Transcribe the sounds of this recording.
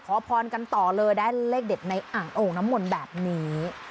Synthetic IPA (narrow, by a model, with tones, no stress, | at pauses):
kʰɔː˨˦pʰɔː˧nka˧nt̪ɔː˨˩lɤː˧jdaː˥˩jleː˥˩k̚de˨˩t̪̚na˧jʔaː˨˩ŋʔoː˨˩ŋ̚na˦˥mːo˧nbɛː˨˩p̚niː˦˥